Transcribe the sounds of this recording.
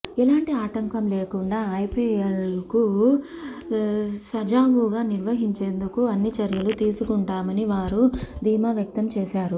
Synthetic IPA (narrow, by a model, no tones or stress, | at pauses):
ilaːɳʈiaːʈɐŋkɐmleːkuɳɖaːɐjpiːelku | sɐd͡ʒaːɡuːɡaːniɾʋɐɦiɲt͡ʃe̞ːnd̪ukuɐnːit͡ʃɐɾjɐlut̪iːsukuɳʈaːmɐniʋaːɾud̪ʱiːmaːʋjɐk̚t̪ɐmt͡ʃɛːʃaːɾu